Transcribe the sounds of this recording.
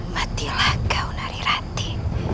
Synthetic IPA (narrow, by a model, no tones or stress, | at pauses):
mat̪ilakawnaɾiɾat̪i̥